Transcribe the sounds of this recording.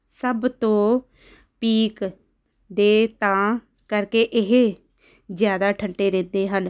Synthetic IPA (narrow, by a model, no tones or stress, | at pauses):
səbt̪õː | piːk | d̪eːt̪ãː | kəɾkeːʔɪɦe | zjaːd̪aːʈʰəɳʈeːɾẽːnd̪eːɦən